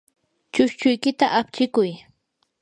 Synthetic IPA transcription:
t͡ʃʊʃt͡ʃʊjkɪt̪aʔap̚t͡ʃɪkʊj

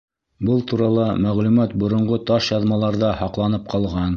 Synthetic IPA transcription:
bɤlˠt̪uɾɑlˠɑmæʁlʉmæt̪̚bŏɾŏɴʁot̪ɑʃjɑðmɑlˠɑɾðɑhɑqlˠɑnɤp̚qʰɑlˠʁɑn

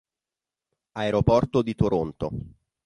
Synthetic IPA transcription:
aeɾopɔrt̪od̪it̪oɾont̪o

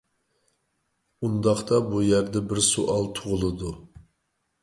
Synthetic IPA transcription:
und̪ɑχt̪ɑbujæɾd̪ɛbɪɾsuʔɑlˠt̪ʰʊʁʊlˠɨd̪u

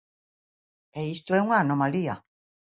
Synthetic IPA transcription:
ɛist̪oɛuŋaːnomalia

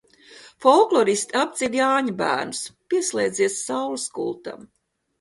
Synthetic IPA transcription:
fɔlˠklˠɔɾist̪ʲiap̪zʲidʲjaːɲabæ̰ːɾnuspiɛslˠeːjd̪ziɛsːawluskulˠt̪a̰m

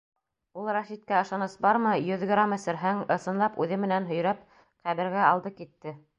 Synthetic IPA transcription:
ulˠrɑʃit̪̚kæɤ̆ʃɑnɤsbɑɾmɤjɵðɡrɾamɘ̆sɘ̆ɾɦæŋɤ̆sɤ̆nlˠɑpʉðɘmɘ̆nænɦɵ̆jɾæp̚ | χæβɘ̆ɾɡæɑlˠd̪ɤkit̪ːɘ

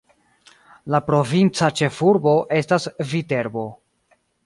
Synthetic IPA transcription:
lapɾo̞vint͡sat͡ʃe̞fuɾbo̞ʔe̞stasvite̞ɾbo̞

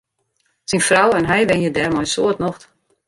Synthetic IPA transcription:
sinfrawɛnɦɛjʋɛnjədɛrmɔjsoətnoxt

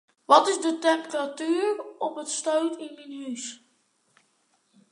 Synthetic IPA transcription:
ʋɑtɪzdətɛmpəratyːɹɔpətstoɥtɪnənɦys

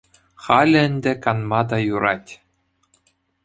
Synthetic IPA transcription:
χɑlʲɘ̆ɘ̆nʲd̪ʲɘ̆kɑnmɑd̪ɑjuɾɑtʲ

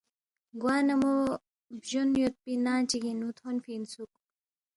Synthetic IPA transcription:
ɡwaːnɐmo | bʑonjot̪̚pinaːt͡ɕikinut̪ʰonfiːnsuk̚

